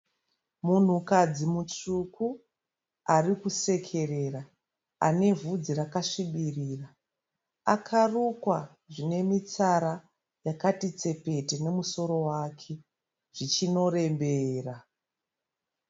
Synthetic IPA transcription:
mun̤ukad͡zimut͡ʂuku | arikuse̞kʰe̞re̞ra | a̰ne̞vud͡ziɾakaʂiɓiriːra | akʰarukwa | ʐine̞mit͡saɾa | jakatit͡se̞pe̞tene̞muso̞ɾo̞waːkʰe̞ | ʐ̥it͡ʃino̞ɾe̞mbeːra

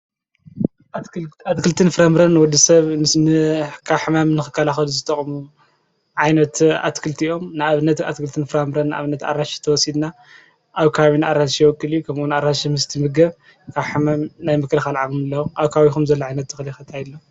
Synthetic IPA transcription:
at̪kʰɨlt̪ʰɨnfɨɾamɾɐnːwɔd̪isɐβnɨkʰaβħɨmamnɨxɨkʰːɐlaxɐluzɨt̪ʰʼɐχʼmu | ʕajnɐt̪a̰t̪kʰɨlt̪ʰiʔo̞mnɨaβɨnːɐt̪a̰t̪kʰɨlt̪ʰɨnfɨɾamɾɐnːɨa̰βɨnːɐt̪a̰ɾaʃi̥t̪ʰɐwɔsid̪na | ʔaβkʰaaβinɨʔaɾaʃijwɔkʼːɨlijukʰɐmʔunaɾaʃimɨst̪ʰimɨɡɐβ | kʰaβħɨmamnajmɨkʰɨlɨxalʕaβumɨlːɐʔaβkʰaaβixumzɐlːoʕajnɐt̪ːɨxɨlixɐt̪ʰajlːo

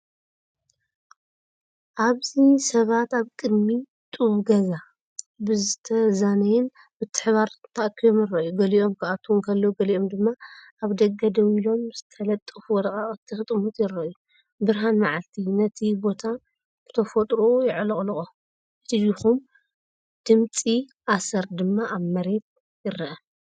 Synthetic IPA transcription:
ʔaβzisɐβat̪aβkʼɨd̪mi | t̪ʼɨuɡɐza | bɨzɨt̪ʰɐzanɐjɪn | bɨt̪ʰːɨ̥ħβaɾt̪ʰɐʔkʰːijo̞mjɪrːɐjuɡɐliʔo̞mkʰɨʔat̪ʰːuunkʰɐlːɐwuɡɐliʔo̞md̪ɨmːaʔaβd̪ɐɡɐd̪ɐwilo̞mzɨt̪ʰɐlɐt̪ʼːɨfwɔd̪ɐkʼaʔʼɨt̪ʰːɨxɨt̪ʼɨmut̪jɪrːɐʔju | bɨɾɦanmaʕalt̪ʰinɐt̪ʰibo̞t̪ʰa | b̥ɨt̪ʰɐfot̪ʼɾoojɪʕlɨχʼlɨχʼo | ɨt̪ijixum | d̪̥ɨmt͡sʼiʔasɐɾd̪ɨmːaʔaβmɐɾe̞t̪̚ | jɪɾːɐʔɐ

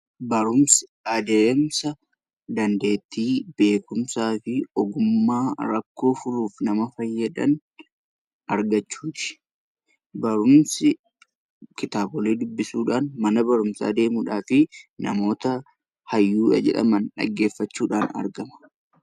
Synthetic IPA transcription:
bɐɾʊmsɪɐd̪eːmsɐ | d̪ɐnd̪e̞ːt̪ːiːbe̞ːkʊmsaːfɪɔɡʊmːaːɾɐkːo̞ːfʊɾuːfnɐmɐfɐjːɐd̪ɐn | ʔɐɾɡɐt͡ʃːuːt̪ɪ̥ | bɐɾʊmsɪ | kɪt̪aːbɔleːd̪ʊbːɪsuːᶑaːnmɐnɐbɐɾʊmsa̰ːd̪e̞ːmuːᶑaːfɪnɐ̰mo̞ːt̪ɐ | hɐjːuːᶑɐ̰d͡ʒɛ̰ᶑɐ̰mɐnᶑɐ̰ɡːe̞ːfːɐt͡ʃːuːᶑaːnɐ̰ɾɡɐmɐ̥

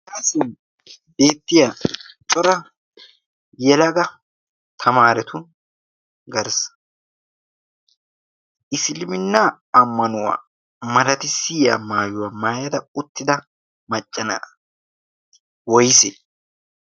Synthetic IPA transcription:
ɐsɪn | be̞ːt̪ːɪjat͡ʃʼɔɾɐ | jɛlɐɡɐ | t̪ʰɐmaːɾɛt̪ʊ | ɡɐɾs | ʔɪslɪmɪnːaː | mːɐnʊwa̰ː | mɐɾɐt̪ɪsɪːja̰ːmaːjʊwaːmaːjɐd̪ɐʊt̪ːɪd̪ɐ | mɐt͡ʃʼːɐna̰ | wɔjse

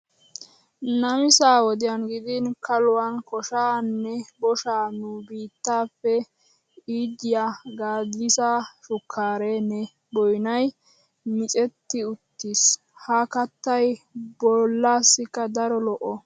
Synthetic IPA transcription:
nɐmɪsaːwɔd̪ɪjɐnɡɪd̪ɪnkʰɐlʊwankɔʃaːnːɛbɔʃaːnʊbiːt̪ːaːfːɛ | iːd͡ʒɪjaːɡaːd̪ɪsaʃʊkʰːaːɾenɛ | bɔjnɐj | mɪt͡ʃʼɛt̪ːɪʊt̪ːis | hɐkɐt̪ːɐjbɔlːaːsːɪkːɐd̪ɐɾɔlɔʔɔ

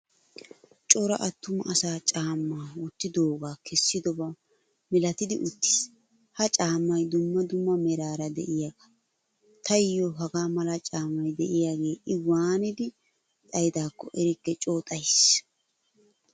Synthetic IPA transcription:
t͡ʃʼɔɾɐ̰ʔɐt̪ːʊmɐʔɐsaːt͡ʃʼaːmːaːʊt̪ːɪd̪oːɡaːkʰɛsːɪd̪ɔba | mɪlɐt̪ɪd̪ɪʔʊt̪ːɪ̥s | hɐt͡ʃʼaːmːɐjd̪ʊmːɐd̪ʊmːɐmɛɾaːɾɐd̪ɛ̰ʔɪjaɡɐ̥ | t̪ʰɐjɪjɔɦɐɡaːmɐlɐt͡ʃʼaːmːɐjd̪ɛʔɪjaːɡe̞ːʔɪwaːnɪd̪ɪ | tʼɐjd̪aːkːɔ̰ʔɛɾɪkːɛt͡ʃʼo̞ːt̪ʼɐjs

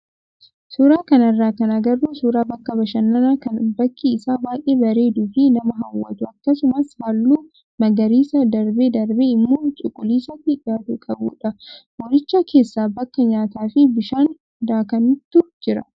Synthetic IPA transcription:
suːɾaːkɐnɐrːaːkɐnɐɡɐrːuːsuːɾaːbɐkːɐbɐʃɐnːɐnaːkɐnbɐkːiɪsaːbaːʔʼeːbɐɾe̞ːd̪uːfɪnɐmɐɦɐwːɐ̰t̪ʊɐkːɐsʊmɐshalːuː | mɐɡɐɾiːsɐd̪ɐɾbeːd̪ɐɾbeɪmːoːt͡ʃʼʊkʼːʊliːsɐt̪ːɪʔaːt̪ʊkʼɐbṵːᶑɐwɔɾɪt͡ʃːakʰe̞ːsːaːbɐkːɐɲaːt̪aːfɪbɪʃaːn | d̪aːkɐnɪt̪ːʊd͡ʒɪɾɐ

